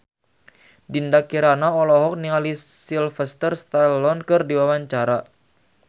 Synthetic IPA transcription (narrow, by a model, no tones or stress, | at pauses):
dindakiɾanaɔlɔɦɔk̚niŋalisilfəst̪ərst̪alɔnkɨrdiwawaɲt͡ʃaɾa